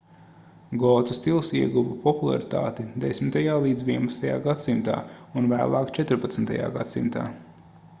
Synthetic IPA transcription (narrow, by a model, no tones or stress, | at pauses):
ɡɔːt̪ust̪ilˠsiɛɡuvɐpɔpulˠa̰ɾit̪a̰ːt̪id̪esmit̪ajaːlˠiːd̪zvʲiɛnpɐt̪st̪aja̰ːɡat̪simt̪a̰ːunvæ̰ːlˠaːkt͡ʃɛt̪ɾpat̪sn̩t̪a̰ja̰ːɡat̪simt̪a̰ː